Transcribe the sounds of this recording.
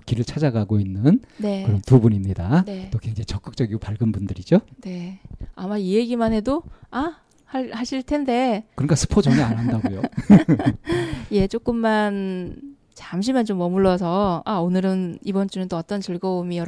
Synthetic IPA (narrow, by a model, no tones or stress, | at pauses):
kiɾɯɭt͡ɕʰad͡ʑaɡaɡoinːɯnne̞kɯɾʌntubunimɲidanet͈okweŋd͡ʑaŋit͡ɕʌk͈ɯk̚t͡ɕ͈ʌɡiɡopaɭɡɯnbundɯɾid͡ʑone̞a̰maieɡimanɦe̞doa | haɭhaɕʰiɭtʰe̞nde̞kɯɾnk͈asʰɯ̥pʰod͡ʑʌŋeanɦandaɡojo | je̞t͡ɕ͈ok͈ɯmːan | t͡ɕamɕ̬ʰimjʌnt͡ɕomːʌmuɭːʌs̬ʰʌaonɯɾɯnibʌnt͡ɕ͈unɯnt͈oʌt͈ʌnt͡ɕiɭɡʌumijʌɾ